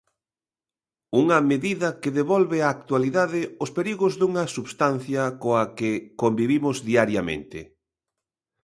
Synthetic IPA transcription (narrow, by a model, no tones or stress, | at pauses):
uŋɐmeðiðɐkeðeβɔlβɪaːk̚t̪waliðaðɪʊspeɾiɣozðuŋɐsuβst̪an̟θjɐkoɐkekombiβimʊzðiaɾjamḛ̃nt̪ɪ̰